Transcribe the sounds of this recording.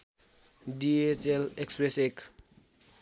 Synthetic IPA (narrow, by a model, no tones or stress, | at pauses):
ɖiet͡ʃelekspɾesek